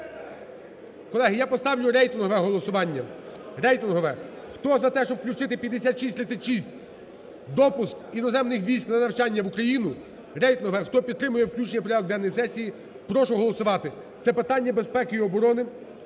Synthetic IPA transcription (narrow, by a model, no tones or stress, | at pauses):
kɔlˠɛɦɪjapɔst̪ɑwlʲʊɾɛjt̪ɪnɦɔʋɛɦɔlˠɔsʊʋɑnʲːɐ | rɛjt̪ɪnɦɔʋɛ | xt̪ɔzɐt̪ɛʃt͡ʃɔpklʲut͡ʃɪt̪ɪpʲjɐd̪ːesʲat̪ʃisʲt̪ɾɪt̪sʲɐtʲʃisʲtʲ | d̪ɔpʊskinɔzɛmnɪxʋʲijsʲknɐnɐwt͡ʃɑnʲːɐʋʊkɾɐjinʊ | ɾɛjt̪ɪnɦɔʋɛxt̪ɔpʲid̪̚t̪ːɾɪmʊjɛwklʲut͡ʃnipɔɾʲjad̪ˠɔɡd̪ɛnːɔjisɛsʲiji | pɾɔʃʊɦɔlˠɔsʊʋɑt̪ɪ | t̪sɛpɪt̪ɑnʲːɐbespɛkɪiɔbɔɾɔnɪ